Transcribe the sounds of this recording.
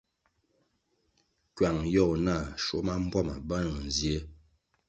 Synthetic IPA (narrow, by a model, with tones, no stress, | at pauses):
kɥa˨ŋjɔ˦˨na˦˨ʃo˦ma˦m̩˦bwa˦˨ma̰˨ba˦nɔ˨n˨zje˦